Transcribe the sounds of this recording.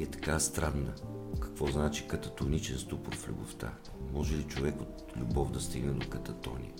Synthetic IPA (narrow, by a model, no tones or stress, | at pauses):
ɛt̪ɐ̥kast̪ɾad̪ːəkɐ̥kvɔznat͡ʃi̥kɐt̪ɐt̪onit͡ʃɛnst̪upʊɾflʲṵboft̪a̰ | mɔʒɛlit͡ʃovɛkot̪ | lʲubɔvd̪ɐst̪iɡnɛd̪okɐt̪ɐt̪ɔnḭ